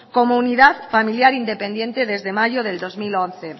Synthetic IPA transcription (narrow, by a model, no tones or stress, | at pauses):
komouniðaðfamiljaɾind̪epend̪je̞nt̪eðe̞zðemaʝoðeld̪ozmilõn̟θe